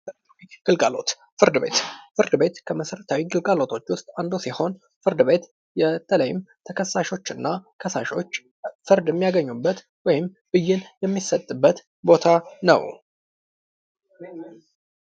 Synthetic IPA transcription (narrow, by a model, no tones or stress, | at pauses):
iɡ̥ɨlɡalo̞̰t̪ | fɨɾd̪ɨbe̞̰t̪fɨɾd̪ɨbe̞t̪kʰəməsəɾət̪ʰawiɡɨlɡalo̞t̪ʰo̞t͡ʃːwʊst̪ʼand̪usiho̞n | fɨɾd̪ɨbe̞t̪ | jɛt̪ʼələjɪmt̪ʰəkʰəsːaʃo̞t͡ʃːɨnːakʰəsa̰ʃo̞t͡ʃː | fɨɾd̪jɛmːijaɡəɲːubːət̪ | wɔjɪm | b̥ɨjːɪnjɛmːisət̪ʼːɨbːət̪ | bo̞t̪ʰanə̰w